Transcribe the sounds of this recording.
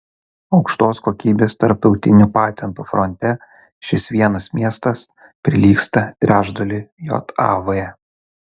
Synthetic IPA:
ɒʊkʃt̪oːskoːkʲiːbʲeːst̪ɐɾp̚t̪ɒʊt̪ʲɪnʲupɑːt̪ʲɛnt̪uːfɾɔnʲt̪ʲɛ | ʃʲɪsʋʲiɛnɐsmʲiɛst̪ɐs | pʲɾʲɪlʲiːkst̪ɐt̪ʲɾʲæːʒd̪olʲɪjo̰ːt̪ɑ̰ːʋoːjɛ

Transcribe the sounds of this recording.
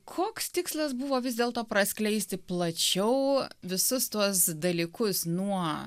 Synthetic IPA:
kʰoːkst̪ʲɪkslˠɐsbʊʋoːʋʲɪzʲd̪ʲeːlˠt̪oːpɾɐsʲklʲɛɪsʲt̪ʲɪplˠɐt͡ʃʲɛʊʋʲɪsʊst̪uɔsd̪ɐlʲiːkʊsnuɔ

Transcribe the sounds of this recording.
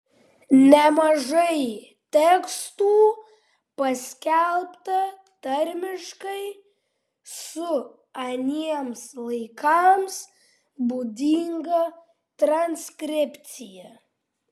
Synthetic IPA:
nʲɛmɐʒɐɪ | t̪ʲɛkst̪uː | pɐsʲkʲɛlˠpt̪ɐ | t̪ɐɾʲmʲɪʃkɐɪ | sʊ | ɐnʲiɛmslˠɐɪkɐms | buːd̪ʲiŋɡɐ | t̪ɾɐnʲskɾʲɪpʲt̪sʲɪjɛ

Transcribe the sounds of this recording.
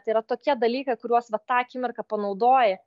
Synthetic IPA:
t̪iːɾɐt̪oːkʲiɛd̪ɐlʲiːkɐɪkʊɾʲuɔsʋɐt̪ɑːkʲɪmʲɪrkɐpɐnɐʊd̪oːjɛ

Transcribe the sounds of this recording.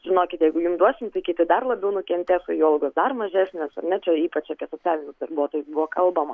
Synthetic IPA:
ʒ̥ʲɪnoːkʲɪt̪jɛɪɡʊjʊmd̪uɔsʲɪmt̪ɐɪkʲit̪ʲɪd̪ɐrlˠɐbʲɛʊnʊkʲɛnʲt̪ʲesɐjoːlˠɡoːsd̪ɐrmɐʒʲæːsʲnʲeːsɐ̰rnʲɛt͡ʃʲɛiːpɐt͡ʃɐpʲiɛsoːt͡sʲæːlʲɪnʲʊsd̪ɐrbuɔt̪oːjʊsbʊʋɔːkɐlˠbɐmɐ

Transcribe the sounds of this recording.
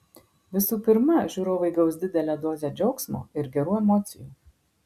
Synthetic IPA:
ʋʲɪsuːpʲɪɾmɐʒʲuːɾoːʋɐɪɡɐʊsd̪ʲɪd̪ʲɛlʲæːd̪oːzʲɛd͡ʒʲɛʊksmo̰ːɪɾɡʲɛɾuːɛmɔːt̪sʲɪjuː

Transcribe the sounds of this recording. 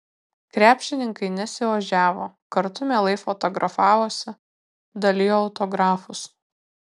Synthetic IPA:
kɾʲæːpʲʃʲɪnʲɪŋkɐɪnʲɛsʲɪʋɐʒʲæːʋoːkɐɾt̪ʊmʲɛlˠɐɪfɔt̪ɔɡɾʔɐfɑːʋoːsʲɪ | d̪ɐlʲɪjoːʊt̪ɔɡɾɑːfʊs

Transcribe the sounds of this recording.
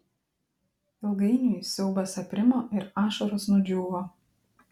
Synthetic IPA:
ɪlˠɡɐɪnʲuːˑjsʲɛʊbɐsɐpʲɾʲɪmoːʔɪɾɑːʃoɾoːsnʊd͡ʒʲuːʋoː

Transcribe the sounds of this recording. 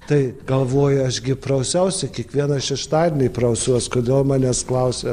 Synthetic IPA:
t̪ɐɪɡɐlˠʋoːjʊɐʃɡʲɪpɾɐʊsʲɛʊsʲɛkʲiɛkʋʲiɛnɐʃʲɛʃt̪ɑːd̪ʲenʲɪpɾɐʊsʲuɔskoːd̪ʲeːlˠmɑːnʲɛːsklˠɐʊsʲe

